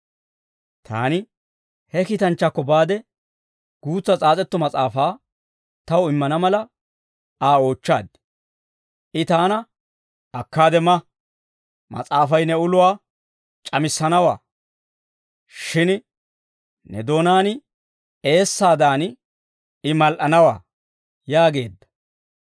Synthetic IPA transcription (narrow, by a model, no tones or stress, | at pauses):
t̪ʰa̰ːnɪ | hɛkit̪ɐnt͡ʃːɐkːɔbaːd̪ɛ | ɡ̥uːt͡sːɐt͡sʼaːt͡sʼɛt̪ːɔmɐt͡sʼaːfaː | t̪ɐwɪmːɐnɐmɐlɐ | aːo̞ːt͡ʃːa̰ːd̪̚ | ʔɪt̪aːnɐ | ɐkːaːd̪ɛmɐ | mɐ̰t͡sʼaːfɐjnɛʊlʊwaː | t͡ʃʼɐmɪsːɐnɐwa̰ː | ʃɪn | nɛ̰d̪o̞ːnaːn | e̞ːsːaːd̪aːn | ɪmɐlʔɐnɐwa̰ː | jaːɡe̞ːd̪ːɐ̥